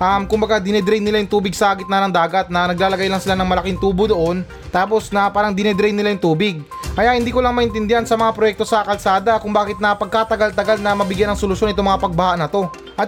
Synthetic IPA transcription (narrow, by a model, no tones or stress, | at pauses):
ʔɐmkʊmbɐɡad̪ɪnɛd̪ɾɛjnɪlajʊŋt̪uːbɪɡsɐaːɡɪt̪̚nɐnɐŋd̪aːɡɐt̪̚nɐnɐɡ̚laːlɐɡajlɐŋsɪlanɐŋmɐlɐkɪŋt̪uːbod̪oʔo̞n | t̪aːpo̞snɐpaːɾɐŋd̪ɪnɛd̪ɾɛjnɪlajʊŋt̪uːbɪɡ̚ | kɐjaʔhɪnd̪iːkolaŋmɐʔɪnt̪ɪnd̪ɪhansɐmɐŋapɾojɛk̚t̪o̞sɐkɐlsaːd̪ɐkʊŋbaːkɪt̪̚nɐpɐɡ̚kaːt̪ɐɡalt̪ɐɡalnɐmɐbɪɡjanɐŋsolʊʃo̞nʔɪt̪omɐŋapɐɡ̚bɐhaʔnɐt̪o̞ | ʔɐt̪